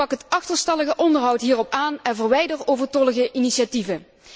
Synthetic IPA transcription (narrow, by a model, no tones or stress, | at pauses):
ɑkɦətɑxtəɹstɑləɣəʔɔndəɹɦʌwtɦiːrɔpaːnɛnvərʋɛjdəɹtowvəɹtɔlˠəɣəʔiniʃativə